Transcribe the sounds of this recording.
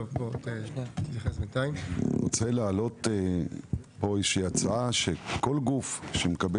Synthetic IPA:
bot̪et̪itjaχesmet̪ajimʁot͡selealo̞te | poiʃiat͡saaʃekolɡufʃemekabe

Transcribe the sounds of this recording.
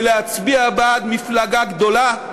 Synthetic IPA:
leat͡sbiabaːt̪miflaɡaɡd̪o̞la

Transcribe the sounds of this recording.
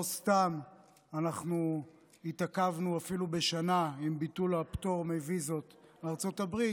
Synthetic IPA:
ost̪am | anaχnu | itakavnuafilube̞ʃanaimbitulapto̞ʁmevizo̞t̪beaʁt͡so̞tabʁi

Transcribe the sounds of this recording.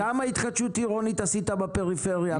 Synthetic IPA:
amait̪χatʃut̪iʁonit̪asit̪abepeʁifeʁja

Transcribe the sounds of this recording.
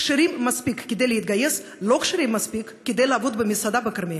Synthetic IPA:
kʃeɾimːɐspʲikːʲɪd̪ejləjit̪̚ɡɐjes | lokʃɪɾʲimːɐspikːʲɪd̪ejlaːvod̪bɨmʲisad̪abɨkɐɾmʲe

